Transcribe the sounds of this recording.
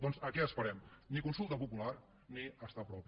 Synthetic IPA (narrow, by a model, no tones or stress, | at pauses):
d̪ɔnzəkɛəspəɾɛmnikunsulˠt̪əpupular | niəst̪apɾɔpi